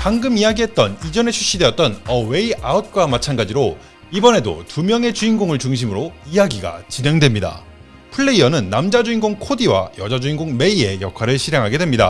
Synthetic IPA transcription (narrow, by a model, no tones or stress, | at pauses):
paŋɡɯmijaɡiɦe̞t̚t͈ʌnid͡ʑʌne̞t͡ɕʰuɕ͈ide̞jʌt̚t͈ʌnʌwe̞iaut̚k͈wamat͡ɕʰanɡad͡ʑiɾo | ibʌne̞do̰tumjʌŋe̞t͡ɕuinɡoŋɯɭt͡ɕuŋɕ̬ʰimɯɾoijaɡiɡa̰t͡ɕine̞ŋdwe̞mɲida̰ | pʰɯɭːe̞iʌnɯnːamd͡ʑad͡ʑuinɡoŋkʰodiwa̰jʌd͡ʑad͡ʑuinɡoŋme̞ie̞jʌkʰwaɾɯɭɕʰiɾjaŋɦaɡe̞dwe̞mɲida̰